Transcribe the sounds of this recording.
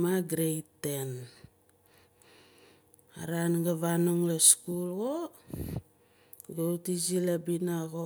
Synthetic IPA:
aɡɾejten | a̰ɾanɡaβanoŋlaskulɡo | ɡawtizilabinaɣo

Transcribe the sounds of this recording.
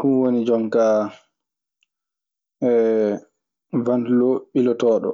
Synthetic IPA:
kunwonid͡ʒɔŋka | ɛ | vantloɓilɔtɔːɗɔ̰

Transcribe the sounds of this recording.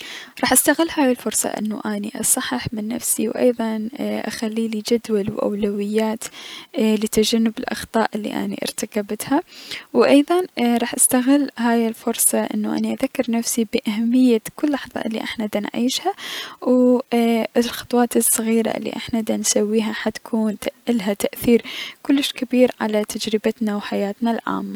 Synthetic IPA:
ɾˤɑːħʔast̪aɣɪlːhaːjɪlfʊɾsˤɑ̰ʔɪ̰nːṵʔaniʔɑ̰sˤɑħːɪħmɪnːa̰fsiwʔɑ̰jðˤɑnʔa̰xalːiːlid͡ʒad̪walwʔa̰wlawɪjːaːt̪ | lɪt̪ad͡ʒanːɪbɪlʔɑ̰xt̪ˤɑːʔɪlːḭʔa̰nḭʔɾt̪akabɪt̪hawʔɑjðˤɑnɾˤɑːħʔast̪aɣɪlːɦaːjɪlfʊɾsˤɑʔɪ̰nːuʔa̰niʔaðakːɪɾnafsibɪʔahamːɪjːakʊlːʔħðˤɑ̰ʔɪlːḭʔa̰ħnad̪anʕiːʃhaw | lxʊ̥t̪ˤwɑːt̪ɨsˤːɨɣiːɾa̰ʔɪ̰lːḭʔa̰ħnad̪ansawːiːɦaħat̪kʰuːnt̪aʔɪlɦat̪aʔθiːɾkʊlːɪʃkɪbiːɾʕa̰lat̪ʰad͡ʒɾɪbat̪nawħajaːt̪nalʕa̰ːmːa

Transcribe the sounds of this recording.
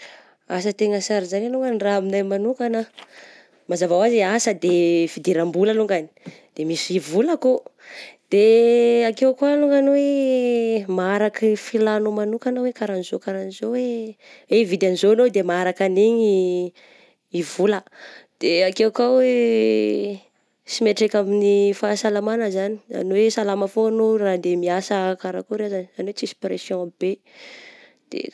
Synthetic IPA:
as̬ət̪eŋəsaɾizaɾenuŋɡaniraaminajmanukanə | mazavawazasəd̪efid̪iɾambulaluŋɡani̥ | d̪̥emisivulako | d̪̥eakewkwaluŋɡanwe | maaɾakifilanomanukanawekaɾanizokaɾanizoweevid̪anizoanod̪emaaɾakaniɲi | ivuləd̪̥eakewkawe | simeʈ͡ʂekʲaminifaːsalamanəzani̥a̰nowesalaməfoanorad̪emiasəkaɾakuɾeazanizaniwet͡sisi̥pɾesjɔ̃aib̥e | d̪̥ḛ

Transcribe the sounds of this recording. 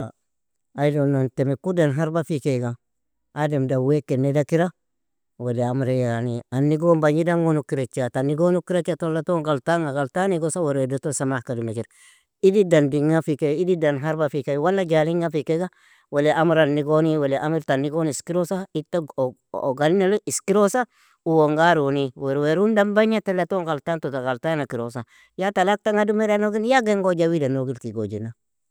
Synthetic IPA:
a̰ | ajdonːantemekudanɦaɾbafikeɡa | ademdawekːenːedakiɾa | weleamɾejanianːiɡombaɲidaŋɡonukiɾet͡ʃːatanːiɡonukiɾet͡ʃatolːatoŋɡaltaŋaɡaltaniɡosaweɾedotosamakadumekiɾ | ididanbiŋafikeididanɦaɾbafikawalːaɡaliŋafikeɡa | weleʔamɾanːiɡoniweleʔamiɾtanːiɡoniskiɾosaitːa | o̰ɡalinaliskiɾosa | uwoŋɡaɾoniweɾweɾundambaɲatelːatoŋkaltantotakaltanakiɾosa | jatalak̚taŋadumeɾanoɡinjaɡeŋɡod͡ʒawidanoɡilkiɡo̰d͡ʒina

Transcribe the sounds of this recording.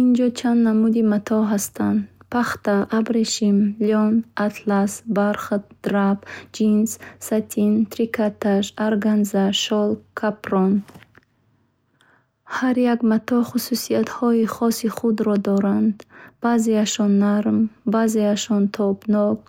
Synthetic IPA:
ind͡ʒɔt͡ʃʰand̪namud̪imat̪ʰɔɦast̪ʰand̪pʰaχt̪aʔabɾeʃimliɔnat̪ʰlasbaɾχt̪d̪̥ɾabd͡ʒinssat̪ʰint̪ɾikat̪ʰaʃaɾɡanzaʃɔlkʰapɾɔn | haɾjaɡmat̪ʰɔχususiat̪hɔiχɔsiχud̪ɾɔd̪ɔɾand̪b̥azeaʃɔnːaɾmbazeaʃɔnt̪ʰɔbnɔɡ

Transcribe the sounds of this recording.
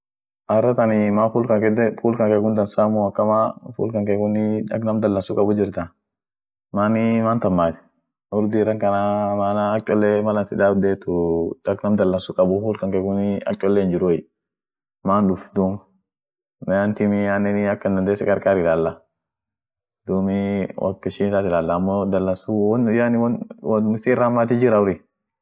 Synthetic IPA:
ʔɐrːɐt̪ɐnɪmaːfuːlkɐŋkɛd̪ɛfuːlkɐŋkɛɡʊnd̪ɐnsaːmʊɐkːɐmaːfṵːlkɐŋkeɡʊnɪᶑɐ̰ɡnɐmd̪ɐlːɐnsʊkʼɐbʊd͡ʒɪɾt̪ɐn | maːnɪmaːnt̪ɐmːaːt̪ɛ̥ | ʔɔɾd̪iːɾɐŋkɐnamaːnaːt͡ʃʼːɔlːɛmɐlɐnsɪd̪aːd̪eːt̪ʊd̪ɐɡnɐmd̪ɐlːɐnsʊkʼɐbʊfuːlkɐŋkɛɡʊnɪɐ̰kʲʼːɔlːɛnd͡ʒɪɾʊ | maːnᶑʊfd̪uːm | mɛjant̪ɪmɪanːɛnɪɐkːɐnd̪ɐnd̪eːsɛkʼɐɾkʼaːɾɪlaːlːa | d̪̥uːmɪwɐ̰kːɪʃɪnt̪aːt̪ɪlaːlːaːmːɔd̪ɐlːɐnsunjanɪwnwɪsːrːamːaːt̪ɪd͡ʒɪɾɐʊɾi

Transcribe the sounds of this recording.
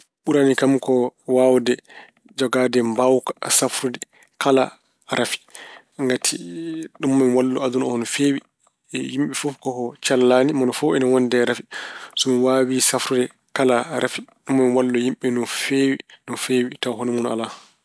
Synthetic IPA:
ɓuɾanikamkɔwawdɛ | d͡ʒɔɡaːdɛmbawkasafɾudɛ | kala̰ | ɾʔafi̥ | ŋɡatʰiɗumːamwalːɔad̪unɔnɔfeːwi | jimɓɛfukɔhɔt͡ʃalːaːnimɔnɔfɔɛnɔwɔndɛɾafisɔmiwawisafɾudɛ | kalaɾʔafiɗumːamwalːɔjimɓɛnɔfeːwinɔfeːwitawɦɔnɔmɔna̰la

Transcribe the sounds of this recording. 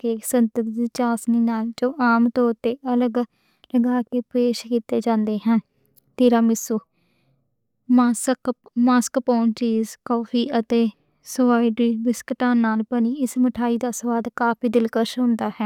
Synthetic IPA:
kesənt̪əɾd̪iːt͡ʃaːsniːnaːld͡ʒoːʔaːmt̪oːt̪eːʔələɡ | ləɡaːkeːpeːʃkiːt̪eːd͡ʒãːnd̪eːɦɛ̃ːn | t̪eːɾaːmɪsuː | masək | maːskpɔːnt͡ʃiːzkɔːfʰiːʔət̪eː | sʊaːiːɖiːbɪskəʈaːnaːlpəniːɪsməʈʰaːiːd̪aːsəʋaːd̪kaːpʰiːd̪ɪlkəɾʃɦʊ̃nd̪aːhɛː

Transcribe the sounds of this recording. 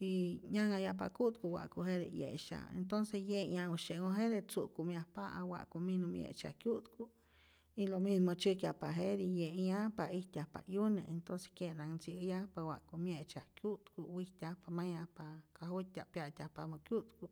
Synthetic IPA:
iɲaŋajapa̰kuʔt̪̚kuwa̰ʔkuɦeɾḛjḛʔʃa̰ḛnt̪onsejeɲauʃeʔŋoɦeɾet͡suʔkumjahpaʔawa̰ʔkuminomjḛʔt͡ʃa̰hkjut̪ku | ilomismot͡ʃɨkjapaɦeɾijeʔɲapaiht̪ʲjahpa̰juneʔent̪onse̥kjenaŋnt͡sijapawa̰ʔkumjeʔt͡ʃahkjut̪kuwiht̪ʲahpamajahpakaɦut̪ʲaʔpjaʔt̪ʲahpamukjut̪ku

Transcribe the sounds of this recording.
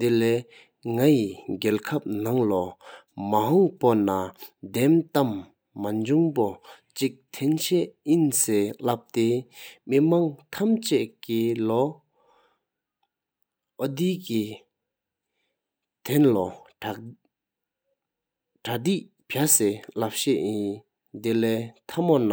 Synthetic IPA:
d̪elɛː | ŋajiɡɛlkʰap̚naŋlɔ | maɦɔŋponad̪ɛmt̪amː | aɲd͡ʑuŋpot͡ɕik̚t̪ʰɛnɕɛʔjinseːlap̚t̪emimaŋt̪ʰamt͡ɕɛʔkilɔ | ʔod̪iːki | t̪ʰɛnlɔ | ʈ͡ʂʰad̪iʔ | pʰaselap̚ɕɛʔjin | t̪elɛːt̪ʰamona

